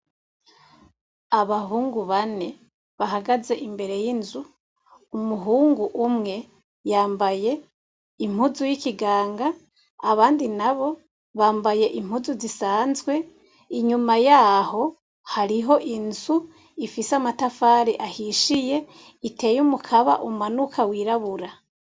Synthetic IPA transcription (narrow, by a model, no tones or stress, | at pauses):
aβahuːŋɡuβane̞ | βaɦaɡaze̞ʔimbe̞ɾe̞jinzu | umuɦuːŋɡuʔumŋe̞ | jaːmbaje̞ | im̥huzujikiɡaːŋɡaː | βaːndinaβo̞ | βaːmbaje̞ʔim̥huzuzisaːnzɡwe̞ | iɲumajaːho̞ | haɾiɦo̞ʔinzu | ifisamatafaɾiʔahiʃije̞ | ite̞ːjumukʰaβa̰ʔumumanukʰawiːɾaβuɾa